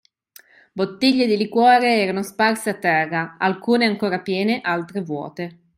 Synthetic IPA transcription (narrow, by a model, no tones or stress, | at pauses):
bot̪ːiʎːed̪ilikwɔːɾeɛːɾanosparseat̪ːɛrːaalkuːneaŋkoːɾapjɛːneʔalt̪ɾevwɔ̰ːt̪e